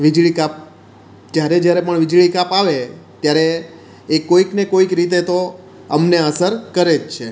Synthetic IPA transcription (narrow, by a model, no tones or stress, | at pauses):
ʋid͡ʒɭikap̚ | t̪jaɾed͡ʒjaɾepəɳʋid͡ʒɭikapaʋet̪jaɾeː | koiknekoikɾit̪̬et̪o | əmneəsəɾkəɾed͡ʒt͡ʃʰe